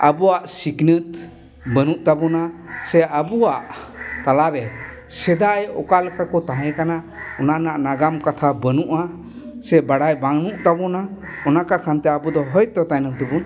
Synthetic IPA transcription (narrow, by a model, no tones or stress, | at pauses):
abuwaʔsiknɨt̪̚ | bənuʔt̪abɔnasɛabuwaʔt̪alaɾɛ | sɛd̪ajɔ̰kalɛkʰakɔt̪aɦɛkana | ɔnanaʔnaɡamkat̪ʰabənuʔa | sɛbaɽajbaŋnuʔt̪abɔna | ɔnakakʰant̪ɛabud̪ɔɦɔjt̪ɔt̪ajnat̪əbun